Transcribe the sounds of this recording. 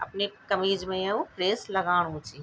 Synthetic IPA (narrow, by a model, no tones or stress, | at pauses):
ɐ̰pnekɐmiːd͡ʒmẽjɐũpɾeːslɐɡaːɽ̃ũt͡ʃi